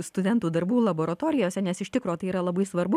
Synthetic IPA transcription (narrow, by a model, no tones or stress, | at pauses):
st̪ʊd̪ʲɛnt̪uːd̪ɐɾbuːlˠɐboːɾɐt̪oːɾʲɪjoːsʲɛnʲɛsɪʃt̪ʲɪkɾoːt̪ɐɪiːɾɐlˠɐbɐɪsʋɐɾbʊ